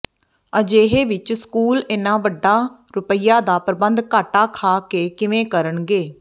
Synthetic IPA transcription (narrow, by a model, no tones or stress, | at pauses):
əd͡ʒeːɦeːʋɪt͡ʃskuːlɪnãːʋəɖːaːɾʊpəɪjaːd̪aːpəɾəbənd̪kaːʈaːkʰaːkeːkɪʋẽːkəɾəɳɡeː